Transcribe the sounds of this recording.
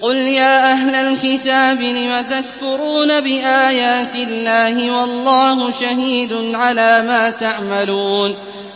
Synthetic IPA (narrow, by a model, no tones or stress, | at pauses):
qʊljaːʔaɦlalkɪt̪aːbɪlɪmat̪akfʊɾuːnabɪʔaːjaːt̪ɪlːaːhɪwɑlˤːɑːhʊʃaɦiːd̪ʊnʕalaːmaːt̪aʕmaluːn